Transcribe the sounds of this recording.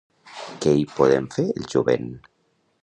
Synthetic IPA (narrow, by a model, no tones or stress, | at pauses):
keipoðemfeɾelʒuβḛn